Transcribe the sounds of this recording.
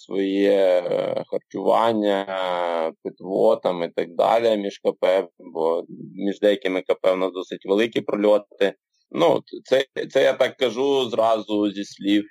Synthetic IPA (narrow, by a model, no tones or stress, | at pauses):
sʋɔjɛ | xɐrt͡ʃʊʋɑ̰nʲːɐ | pɪt̪ʋɔt̪ɐmit̪ɐɡ̚d̪ɑ̰lʲɛmʲiʒkɐpɛʋbɔmʲiʒd̪ɛjɐkɪmɪkɐpɛwnɐd̪ɔsɪtʲʋelˠɪkʲipɾɔlʲɔt̪ːɪ | nṵt̪sɛt̪sɛjat̪ɑkːɐʒuzrɑzʊzʲisʲlʲiw